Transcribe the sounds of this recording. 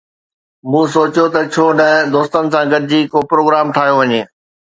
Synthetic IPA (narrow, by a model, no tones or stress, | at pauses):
mũːsoːt͡ɕjot̪ɐt͡ɕʰoːnɐ̃d̪oːst̪ənɪ̆sãɡɐd̪ɪd͡ʑiːkopɾoːɡɾaːmʈ̪ʰaːɦjoʋɐɲeː